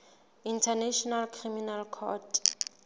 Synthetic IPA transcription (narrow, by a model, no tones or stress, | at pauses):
intʰanɛʃɔnalkʰriminalkʰɔ̰t